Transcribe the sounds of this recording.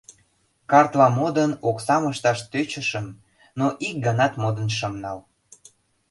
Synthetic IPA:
kɑrt̪lɑmod̪ənoksɑməʃt̪ɑʃt̪øt͡ɕə̆ʃəm | noʔik̚ɡənɑt̪mod̪ənʃəmnɑl

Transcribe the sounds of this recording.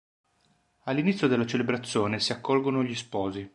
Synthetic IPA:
alːinit̪sːjod̪elːat͡ʃelebɾat̪sːjoːnesiakːɔlɡonoʎispɔːzi

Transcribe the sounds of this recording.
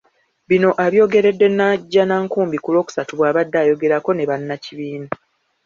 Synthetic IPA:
βino̞ʔaβjo̞ːɡe̞ɾe̞dːe̞nːaɟːanaːŋkuːmbikulo̞ːku̥satuβwaːβadːaːjo̞ɡe̞ɾako̞ne̞βanːaciβiːna

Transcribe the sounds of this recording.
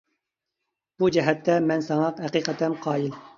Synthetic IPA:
b̥ud͡ʒɛɦɛt̪ʰːɛmɛnsɑŋɑqhɛqiqɛt̪ʰɛmqʰɑːil

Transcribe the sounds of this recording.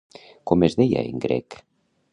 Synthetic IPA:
komezðeja̰eŋɡɾɛ̰k

